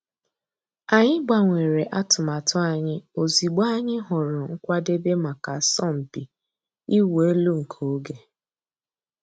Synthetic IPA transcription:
a˨ɲɪ˦ɡ͡ba˨ŋʷe˨ɾe˨ʔa˦tʊ˨ma˨tʊ˦a˨ɲɪ˦o˨zi˨ɡ͡ba˦a˦ɲɪ˦ɦʊ˨ɾʊ˨ŋ̩˦kʷa˦de˦be˦ma˨ka˨sɔ˦˨m̩˨pi˨ | i˦we˦lu˦ŋ̩˨kʰo˨o˦ɡe˦

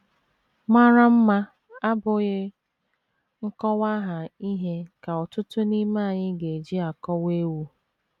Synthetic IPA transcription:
ma˦ɾa˦m̩˦ma˦ | a˦bʊ˨ɣɪ˦ | ŋ̩˦kɔ˦wa˦ɦa˨i˦ɦe˦ka˨ɔ˨tʊ˦tʊ˦ni˦ma˦a˨ɲɪ˦ɡe˨d͡ʒi˦a˨kɔ˦we˦wu˦

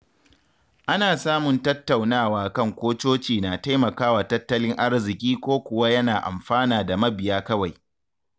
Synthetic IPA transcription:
ʔa˦naː˨saː˦mʊ˨ntɐ˦tːa˨wnaː˦˨waː˨kɐ˦ŋkʷoː˦t͡ʃoː˦t͡ʃiː˨naː˨ta˦jmɐ˨kaː˦waː˨tɐ˦tːɐ˦lɪ˦ŋʔa˦rzɪ˨kʲiː˦kʷoː˦kʷʊ˨wa˦jɐ˦naː˨ʔa̰˨mɸaː˦naː˨da˨mɐ˦bɪ˨jaː˦kɐ˦wa˨j

